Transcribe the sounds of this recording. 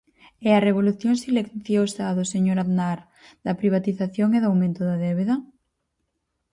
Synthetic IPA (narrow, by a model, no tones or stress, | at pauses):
ɛɐreβoluθjoŋsileθjosaðoseɲoɾaðnaɾ | d̪ɐpɾiβ̞at̪iθaθjoŋeðawmẽnt̪ʊðɐðɛβeðɐ